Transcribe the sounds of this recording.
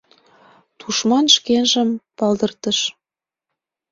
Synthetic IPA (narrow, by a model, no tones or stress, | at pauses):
t̪uʃmɑnʃkenʒə̆mpɑld̪ə̆rt̪ə̆ʃ